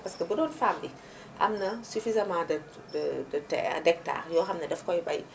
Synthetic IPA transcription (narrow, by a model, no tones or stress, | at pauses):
paskəbədɔːnfaːmdi | ʔa̰mnɐsufizɐmãːdɐ | ddɐtɛ̰ɐ̰dɛk̚ta̰ːrjɔːxɐmnɐdɛfkɔjbaj